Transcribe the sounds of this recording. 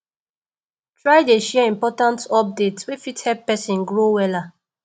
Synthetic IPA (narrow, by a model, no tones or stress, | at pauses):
tɹaɪdeʃɛĩmpɔtãntɔp̚detswefithɛpːɛsĩnɡɹowɛla